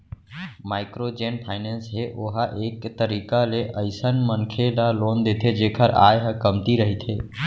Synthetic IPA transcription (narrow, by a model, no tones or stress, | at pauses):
maːɪkɾod͡ʒeːnpʰaːɪneːnsɦeʔoɦaʔeːkt̪əɾiːkaleʔəɪsənmənkʰelaloːnd̪eːt̪ʰed͡ʒeːkʰəɾa̰ːjɦəkəmt̪iɾəɦit̪ʰeː